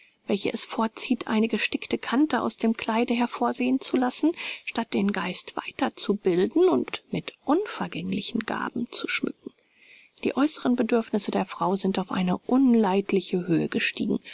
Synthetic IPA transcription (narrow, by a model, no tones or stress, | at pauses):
v̥ɛlçə̰ʔɛsfɔːɐtt͡siːtʔa̰ɪnəɡəʃtɪktəkʰantəʔa̰ʊsd̥eːmkʰl̥aɪdəɦɛɐfoːɐzeːənt͡sulasn̩ʃtat̚d̥eːnɡa̰ɪstv̥a̰ɪtɐt͡subɪldn̩ʊntmɪtʔʊnfɛɐɡɛŋlɪçn̩ɡa̰ːbm̩t͡su̥ʃmʏ̰kŋ̩ | d̥iːʔɔʏsəʁənbədʏɐfnɪsədeːɐfʁ̥aʊzɪntaʊfʔa̰ɪnəʔʊnlaɪtlɪçəɦøːəɡəʃtḭːɡŋ̩